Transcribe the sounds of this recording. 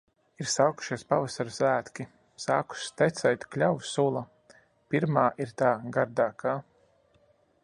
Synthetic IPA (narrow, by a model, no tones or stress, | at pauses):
iɾsaːku̥ʃiɛspavasaɾsæːt̪kʲi | saːku̥st̪ɛt̪sɛjt̪klʲawsulˠa | piɾmaːʔiɾt̪aːɡaɾd̪aːkʰaː